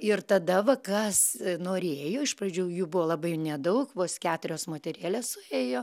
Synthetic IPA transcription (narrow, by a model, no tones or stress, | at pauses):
ɪrt̪ɐd̪ɐʋɐkɐsnoːɾʲeːjoːɪʃprɐd͡ʒʲuːjuːbʊʋoːlˠɐbɐɪnʲɛd̪ɐʊkʋoːskʲæːt̪ʊɾʲoːsmoːt̪ʲɛɾʲeːlʲeːssʊeːjoː